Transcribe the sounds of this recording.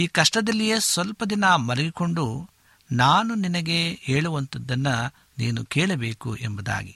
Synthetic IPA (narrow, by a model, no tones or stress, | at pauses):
iːkɐʂʈɐd̪ɐlːijesʋɐlpɐd̪inɐmɐɾɐɡiko̞ɳɖu | naːnuninɐɡe̞eːɭuʋɐnt̪ɐd̪ːɐnːɐ | niːnukeːɭɐbeːkṵʔembɐd̪a̰ːɡi